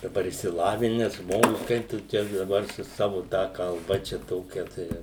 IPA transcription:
dɐˈbɐr ɪʃʲsʲɪˈlˠɑːʋʲɪnʲɛs ˈʒmoːɡʊs ˈkɐɪp tʊ ˈtʲæː dɐˈbɐr sʊ ˈsɑːʋʊ ˈtɑː kɐlˠˈbɐ ˈt͡ʃʲɛ ˈtoːkʲɛ tɐɪ

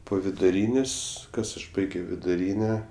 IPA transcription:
poː ʋʲɪdʊˈrʲiːnʲeːsʲ ˈkɐs ɐʃ ˈbɐɪɡʲoː ʋʲɪdʊˈrʲiːnʲɛ

